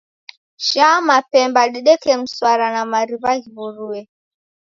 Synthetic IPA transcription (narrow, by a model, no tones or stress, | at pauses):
ʃamapɛmbaɗiɗɛkɛm̩swaɾanamaɾiβaɣiβuɾuɛ